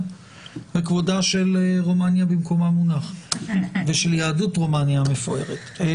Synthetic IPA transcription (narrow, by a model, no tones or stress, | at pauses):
vekvodaʃe̞leʁomanjabimko̞mamunaχ | veʃeljaːdutʁomanjamefoe̞ʁet̪